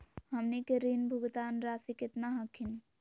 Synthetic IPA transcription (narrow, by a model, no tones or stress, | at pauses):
ɦəmnikeɾinbʱuɡt̪anɾasiket̪naɦəkʰin